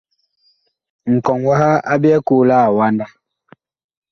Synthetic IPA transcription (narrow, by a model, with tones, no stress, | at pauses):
ŋ̩˨kɔ˨ŋwa˦ɦa˦a˦bi˦ɛ˦kuː˦˨la˦˨wa˦nda˦